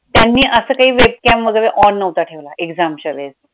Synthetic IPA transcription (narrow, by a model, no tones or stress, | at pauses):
t̪janːiːʔəsəːkaɦiːʋeb̚kɛmʋəɡəʋeʔɔnːəʋt̪aʈʰeʋlaʔeɡd͡zamɕəled͡z